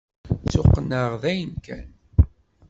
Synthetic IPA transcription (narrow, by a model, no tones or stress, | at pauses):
t͡sʊqːnəʁðæjənkæn